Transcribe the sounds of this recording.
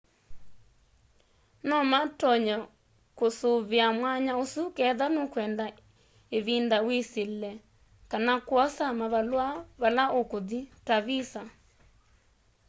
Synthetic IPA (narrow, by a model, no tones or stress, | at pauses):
nɔmatɔɲɔ | kosoβeamwaɲaosukɛðanokwɛnda | eβindaweselɛ | kanakwɔsamaβalwaβalaokoðitaβisa